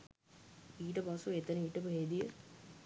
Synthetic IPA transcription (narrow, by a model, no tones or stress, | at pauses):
iːʈ̬əpasuet̪ɐnəiːʈəpəɦeːd̪ijə